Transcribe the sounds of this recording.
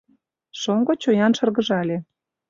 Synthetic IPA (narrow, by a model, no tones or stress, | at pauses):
ʃoŋɡot͡ɕojɑnʃɤ̆rɣə̆ʒɑlʲe